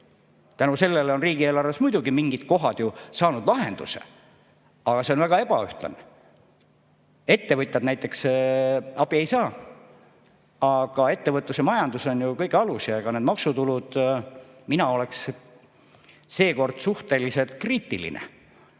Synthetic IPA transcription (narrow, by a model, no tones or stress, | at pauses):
t̪ænuse̞lːe̞leo̞nriːɡ̥ie̞ːlɑrvesmujd̪̥uɡimiŋɡid̪̥̚ko̞ɦɑd̪̥jusɑːnud̪̥lɑɦend̪̥ṵsḛ | ɑɡ̥ɑse̞o̞nvæɡ̥ɑe̞b̥ɑyht̪lɑ̰ne | e̞t̪ːe̞vɤt̪ʲːˑɑd̪næjt̪ːˑe̞ks | ɑb̥ie̞jsɑː | ɑɡ̥ɑe̞t̪ːevɤt̪ˑːusemɑjɑnd̪uso̞njukɤjkɑlusjɑeɡ̥ɑned̪mɑksut̪ulud̪̥ | minɑo̞le̞ks | se̞ːko̞rd̪̥suht̪e̞lise̞lt̪̚kriːt̪ːˑilḭnḛ